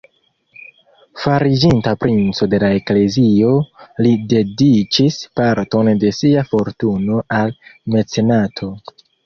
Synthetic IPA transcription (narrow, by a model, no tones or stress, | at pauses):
faɾid͡ʒintapɾint͡so̞de̞laekle̞zio̞lide̞dit͡ʃispaɾto̞nde̞siafo̞ɾtuno̞alme̞t͡se̞natʰo̞